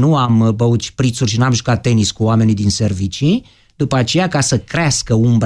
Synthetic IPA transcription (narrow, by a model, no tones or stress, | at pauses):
nuambəut̪t͡ʃpɾit̪surʃinuamʒukat̪̚ːe̞niskuoame̞nid̪inse̞rvit͡ʃi | d̪upəat͡ʃe̞jakasəkɾeaskəumb